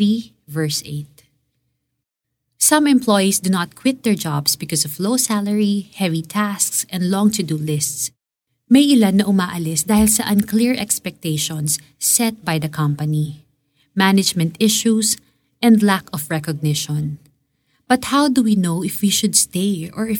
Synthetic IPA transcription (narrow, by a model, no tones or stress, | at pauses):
i | vɛɹsḛɪt̪̚ | sɐ̃mɛ̃mplɔjisd̪unat̪̚kʰwɪt̪̚d̪ɛɹd͡ʒabsbɪkɔsɔvlosælɛɹihɛvit̪ʰæsksɛ̃nd̪lɔ̃ŋt̪ʰʊd̪ulɪst̪s | mɐjʔɪlanːɐʔʊmaːʔɐlɪsd̪aːhɪlsɐʔɐ̃nklɪɹʔɛ̰kspɛk̚t̪eɪʃɔ̃nsː | ɛt̪̚bajd̪ɐkʰɐ̃mpɐni | mænɪd͡ʒmɛ̃nt̪ɪʃus | ʔɛ̃nd̪lækɔfɹɛkɔɡ̚nɪʃɔ̃n | b̥ɐt̪hawd̪uwinoʊɪfwiʃʊd̪st̪eɪɔɹɪ